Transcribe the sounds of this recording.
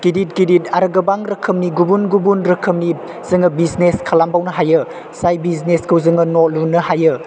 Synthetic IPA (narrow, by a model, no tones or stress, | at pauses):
ɡ̥idit̚ɡiditaɾɐɡɐbaŋɾɐkʰəmniɡubunɡubunɾɐkʰəmni | z̥ɯŋɐbizneskʰalambawnɐɦajɯ | sajbizneskʰɯwzɯŋɐnolunːɐhajɯ